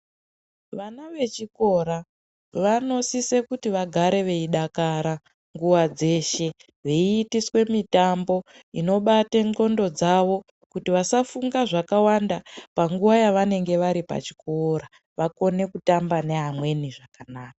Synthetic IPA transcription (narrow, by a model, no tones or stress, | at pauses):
ʋanaʋe̞t͡ʃiko̞ɾa | ʋano̞sise̞kutiʋaɡʱaɾe̞ʋe̞iɗakaɾa | ŋɡuʋad͡ze̞ʃe̞ | ʋeiːtiswe̞mitambo̞ | ino̞ɓateŋɡo̞ndo̞d͡zaʋo̞ | kutiʋasafuŋɡaʐakawandapaŋɡuʋajaʋane̞ŋɡe̞ʋaɾipa̰t͡ʃi̥kʰoɾa | ʋako̞ne̞kutambane̞ɦamwe̞niʐakanaːkḁ